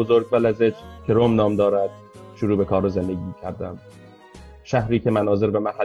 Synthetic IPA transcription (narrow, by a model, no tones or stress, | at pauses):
ozoɾɡ̚bælæzet͡ʃkʲʰeɾomnɒːmd̪ɒːɾæd̪̥̚ | ʃuɾuːbekʰɒːɾoze̞nd̪eɡʲiːcʲʰæɾd̪æm | ʃæhɾiːcʰemænɒːze̞ɾbemæɦæ